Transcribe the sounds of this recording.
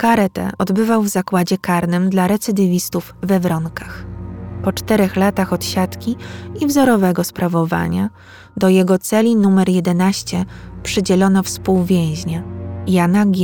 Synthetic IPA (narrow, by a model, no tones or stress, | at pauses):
kaɾɛt̪ɛ̰ʔɔd̪bɘvawvzakwad͡ʑɛkaɾnɘmd̪laɾɛt̪sɘd̪ɘvʲist̪uvvɛvɾɔŋkaxpɔt͡ʂt̪ɛɾɛxlat̪axɔt̪ɕat̪kʲiivzɔɾɔvɛɡɔspɾavɔva̰ɲa̰ | d̪ɔjɛɡɔt̪sɛlʲinumɛɾjɛd̪ɛnaɕt͡ɕɛpʂɘd͡ʑɛlɔnɔfspuwvʲjɛ̃w̃ʑɲajanaɡʲ